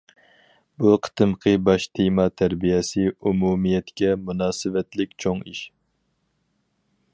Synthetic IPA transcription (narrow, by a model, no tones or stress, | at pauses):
buqʰə̥t̪ɨmqʰɨbɑʃt̪ʰimɑt̪ʰæɾbijɛsɨumumijɛt̪kʲɛmunɑːsɨvɛt̪lɪkʲt͡ʃʰoŋiʃ